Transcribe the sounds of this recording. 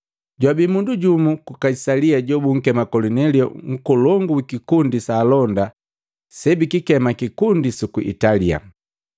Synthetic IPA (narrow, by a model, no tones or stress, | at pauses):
ɟwabimunduɟumukukaisaliaɟɔbuŋ̩kɛmakɔlunɛliɔ̰ŋ̩kɔlɔŋɡuikikundisaːlɔnda | sɛbikikɛmakikundisukuʔḭtalia̰